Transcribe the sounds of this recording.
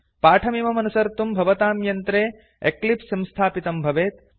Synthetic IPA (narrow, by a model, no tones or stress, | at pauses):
paːʈʰɐmiːmɐmɐnusɐɾt̪umbʱɐʋɐt̪aːmjɐnt̪ɾeː | eklipsɐ̃mst̪ʰaːpit̪ɐmbʱɐʋeːt̪